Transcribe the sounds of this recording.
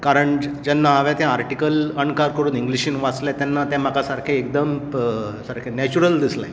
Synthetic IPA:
kaɾəɳd͡ʑɛnːaaʋɛ̃t̪ɛ̃aɾʈikələɳkaɾkəɾuːniŋɡliɕĩːnʋat͡slɛ̃t̪ɛnːat̪ɛ̃m̤akasaɾkʰẽekd̪əm | saɾkʰẽnɛt͡ɕuɾəld̪isla̰j

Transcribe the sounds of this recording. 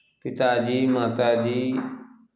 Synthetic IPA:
pɪt̪aːd͡ʒiːmaːt̪aːd͡ʒiː

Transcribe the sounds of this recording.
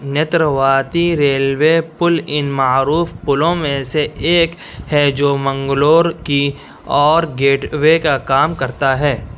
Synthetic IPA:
njet̪ɾəʋaːt̪iɾeːlwepʊlɪnmaːɾuːfpʊlõmẽseeːk | hɛd͡ʒoːmɐ̃ŋɡloːɾki | ɔːɾɡeːʈwekakaːmkɐɾt̪aɦɛː

